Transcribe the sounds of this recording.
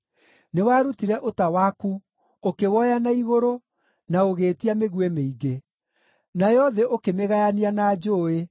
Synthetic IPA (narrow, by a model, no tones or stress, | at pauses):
newaːɾutiɾɛʔotawaːku | okewɔjanaiɣoɾo | naoɣeːtiameɣwemeiɡe | najɔðɛʔokemeɣajanianaːd͡ʒoːe